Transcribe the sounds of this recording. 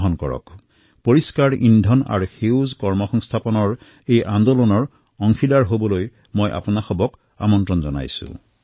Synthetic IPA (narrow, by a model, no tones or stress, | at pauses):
ɦɔnkɔ̰ɹɔ̰k | poɹiskaɹindʱɔna̰ɹuxewzkɔɹmɔxɔŋst̪ʰapɔnɔɹ | ejʔand̪olɔnɔɹ | ɔŋxʰilaɹɦobɔloj | mojʔa̰punaxɔbɔk | a̰mɔntɹɔnzɔ̰na̰jsʊ̰̃